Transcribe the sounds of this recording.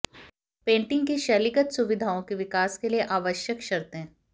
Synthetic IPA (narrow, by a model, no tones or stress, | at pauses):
pẽːɳʈɪ̃ŋɡkiʃɐlɪkət̪sʊʋɪd̪ʱaːõkiʋɪkaːskelieʔaːʋəʃjəkʃɐɾt̪ɦɛ̃ː